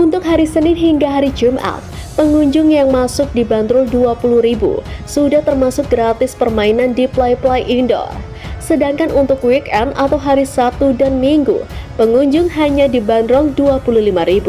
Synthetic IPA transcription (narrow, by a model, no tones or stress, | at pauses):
ʔunt̪ʊk̚ɦaɾisənɪnɦiŋɡaɦaɾid͡ʒumʔa̰ | pəŋuɲd͡ʒʊŋjaŋmasʊk̚dibant̪ɾʊlduapulʊhɾibṵsudaht̪ərmasʊk̚ɡɾat̪ɪspərmainandiplajplajʔindo̰ | sədaŋkanʔunt̪ʊkwikɛnat̪awɦaɾisat̪udanmiŋɡṵpəŋuɲd͡ʒʊŋɦaɲadibant̪ɾʊlduapuluhlimaɾibu